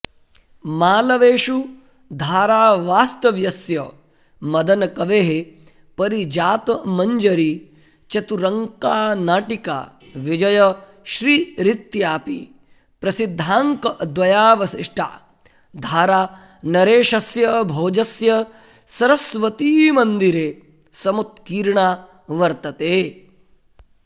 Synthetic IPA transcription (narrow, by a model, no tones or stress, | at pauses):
maːlɐʋeːʃu | d̪ʱaːɾaːʋaːst̪ɐʋjɐsjɐ | mɐd̪ɐnɐkɐʋeːɦe | pɐɾid͡ʒaːt̪ɐmɐɲd͡ʒɐɾi | t͡ʃɐt̪uɾɐŋkaːnaːʈika̰ː | ʋid͡ʒɐjɐ | ʃɾiːɾit̪jaːpḭ | pɾɐsid̪ʱːaːŋkɐd̪ʋɐjaːʋɐsiʂʈʰa̰ː | d̪ʱaːɾaː | nɐɾeːʃɐsjɐbʱoːd͡ʒɐsjɐ | sɐɾɐsʋɐt̪iːmɐnd̪iɾeː | sɐmut̪̚kiːɾɳaː | ʋɐɾt̪ɐt̪eː